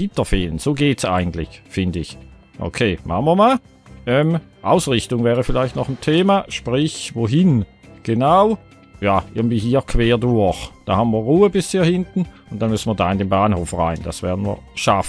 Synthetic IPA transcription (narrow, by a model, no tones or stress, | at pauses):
ɪtɐfeːlənz̥oːɡeːtsʔa̰ɪɡŋn̩tlɪ̰çfɪndəɪç | ʔo̰kʰeːmʔa̰χn̩viːɐmaːl | ʔɛːmʔaʊsʁɪçtʊŋvɛːʁəfɪlaɪçtnɔχn̩tʰeːmaʃpʁ̥ɪçvoɦɪnɡ̥enaʊ | jaːʔɪ̰ɡŋn̩viːhiːɐkʰv̥eːɐdʊɐçd̥aːhaːbən̩viːɐʁuːəbɪshiːɐhɪntn̩ʊntd̥anmʏsn̩viːɐdaːɪndeːnbaːnhoːfʁa̰ɪnd̥a̰sv̥ɛ̰ɐdn̩vḭːɐʃaf̩